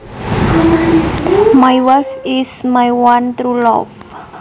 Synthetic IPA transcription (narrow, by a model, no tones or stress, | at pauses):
majwafɪsmajwant̪ɾulɔ̰f